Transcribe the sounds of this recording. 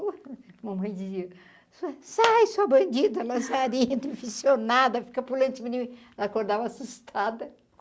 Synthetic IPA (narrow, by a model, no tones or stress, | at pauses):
ũmɐmɐ̃j̃d͡ʒiziɐ | susajsuɐbɐ̃nd͡ʒid̪ɐlɐ̃saɾĩt̪ĩfisjonad̪ɐfi̥kɐpulɐ̃nt͡ʃ̪ɪminĩm | akoɾd̪avɐasust̪ʰad̪ɐ